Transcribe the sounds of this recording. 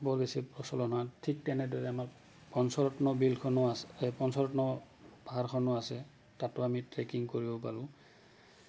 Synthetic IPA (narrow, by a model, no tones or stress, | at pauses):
bɔlbesipɹɔsɔlɔnatʰik̚tɛnɛdɔɹɛamaɹ | pɔnsɔɹɔtnɔbilkʰɔnɔasepɔnsɔɹɔtnɔ | b̥aɦaɹkʰɔnɔasɛ | tatʊamitɹekiŋkoɹibɔpa̰ɹʊ̃